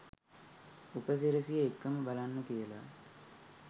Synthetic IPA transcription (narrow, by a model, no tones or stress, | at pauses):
upəs̬eɾəsijəekːəməbalanːəkijəla̰